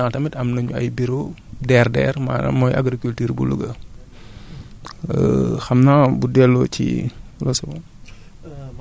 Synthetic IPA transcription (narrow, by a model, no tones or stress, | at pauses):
aːtɐmitɐmnɐɲuɐ̰jbiɾodɛːrdɛ̰ːrma̰nɐ̰mːɔjʔɐ̰ɡɾikultiːɾbṵlṵɡɐ | xɐmnaːbudɛlːɔcḭlɔsɐbɔ